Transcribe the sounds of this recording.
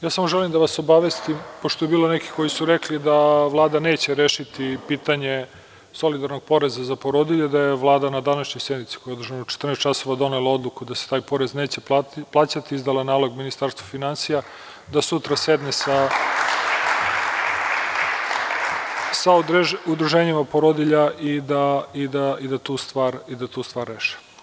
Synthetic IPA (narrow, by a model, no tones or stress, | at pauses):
jaːsamo̞ʒelimd̪aʋaso̞baʋest̪impoʃt̪o̞jebiːloneki̥ko̞jisuɾeklid̪aʋlˠaːd̪ane̞ːt͡ɕeɾeːʃit̪ipiːt̪aɲe | so̞lid̪aɾnoɡ̚po̞ɾe̞zazapo̞ɾod̪iʎud̪ajeʋlˠaːd̪anad̪anaʃɲojse̞d̪nit̪si̥ko̞jeod̪rʒanot͡ʃe̥t̪ɾrnest̪t͡ʃaso̞ʋad̪o̞nelao̞d̪lˠukud̪ase̥t̪aːjpo̞ɾe̞zne̞ːt͡ɕe̞plˠaːt͡ɕat̪iizd̪alanaːlo̞ɡminist̪aɾst̪ʋafinansija | d̪asut̪ɾasjed̪nesa | saud̪ɾuʒeːɲimapoɾod̪iʎaʔid̪aid̪aid̪at̪uːst̪ʋaːɾid̪at̪uːst̪ʋaːɾːeːʃi̥